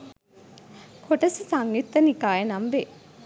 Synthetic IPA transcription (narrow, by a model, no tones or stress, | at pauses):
kʰoʈɐsisaŋit̪ːənikaːjenamʋe